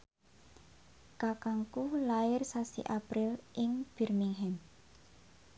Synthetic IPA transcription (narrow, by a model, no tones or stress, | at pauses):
kakaŋkulaɪrsasḭʔapɾɪlʔɪŋb̥ɛrmiŋɦɛm